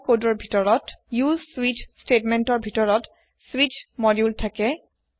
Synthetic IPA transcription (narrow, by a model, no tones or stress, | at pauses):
kodɔɹbʱitɔɹɔtjuzswitstetmɛntɔɹbʱitɔɹɔt | swit͡ʃmɔɹiultʰakɛ